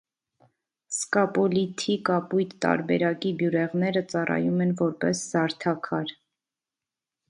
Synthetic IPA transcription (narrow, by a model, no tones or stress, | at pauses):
skɑpɔlit̪ʰikɑpujt̪ːɑ̰ɾbɛɾɑkibjuɾɛʁnɛɾət͡sɑrɑ̰jumɛnvɔɾpɛsz̥ɑɾt̪ʰɑkʰɑɾ